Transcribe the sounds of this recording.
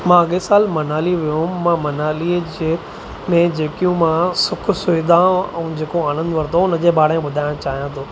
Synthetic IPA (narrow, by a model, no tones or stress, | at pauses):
mãɐɠesaːlmɐnaːliʋijũɦʊmãmɐnaːlid͡ʑe | mẽd͡ʑeːkijũmãsʊkʰsʊɪd̪ãɛ̃ːd͡ʑeːkoaːñə̃nd̪ʋɐɾt̪oʊnəd͡ʑeːɓaːɽaẽɓʊd̪ʱaːɪ̃õt͡ɕaːɦijãt̪ʰoː